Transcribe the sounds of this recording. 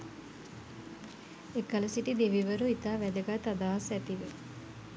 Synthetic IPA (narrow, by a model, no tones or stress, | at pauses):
ekɐlɐsiʈid̪eʋiʋəɾuit̪aːʋæd̪əɡat̪ːad̪aːɦɐsæt̪iʋə